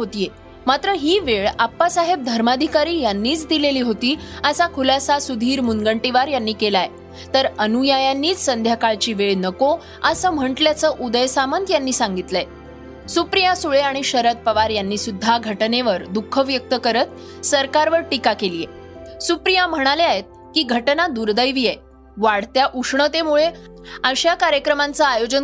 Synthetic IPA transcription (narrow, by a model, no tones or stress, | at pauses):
ɦot̪ije | mat̪ɾəɦiːʋeɭapːasaɦeb̚d̪ʱəɾmad̪ʱikaɾiːjanːiːt͡sd̪ileliːɦot̪iːəsakʰulasasud̪ʱiːɾmunɡəɳʈiʋaɾjanːiːkelaje | t̪əɾənujajanːiːt͡ssənd̪ʱjakaɭt͡ɕiːʋeɭnəko | əsəːm̤əɳʈljat͡səʔud̪əjsamənt̪janːiːsãŋɡit̪ləe | supɾijasuɭeaɽ̃iɕəɾət̪̚pəʋaɾjanːiːsud̪ʱːaɡʱəʈneʋəɾd̪ukʰːəʋjək̚t̪əkəɾət̪ | səɾkaɾʋəɾʈikakelije | supɾijam̤əɽ̃aleaɦet̪̚ | kiːɡʱəʈnad̪uɾd̪əjʋije | ʋaɽt̪jaʔuʂɳət̪emuɭe | əɕjakaɾjəkɾəmant͡saajod͡ʑən